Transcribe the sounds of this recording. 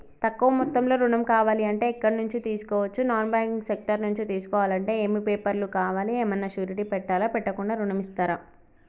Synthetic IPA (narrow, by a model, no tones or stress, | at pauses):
t̪ɐkːuʋɐmut̪ːɐmlo̞ːɾuɳɐmkaːʋaːliɐɳʈe̞ːɛkːɐɽɐnuɲt͡ʃit̪iːsu̥kɔːʋɐt͡ʃːunaːnbaːŋksek̚ʈɐɾnuɲt͡ʃit̪iːsu̥kɔːʋaːlɐɳʈe̞ːeːmipeːpɐɾlukaːʋaːlieːmɐnːɐʃjuːɾiʈipɛʈːaːlaːpɛʈːɐkuɳɖaːɾuɳɐmist̪aːɾaː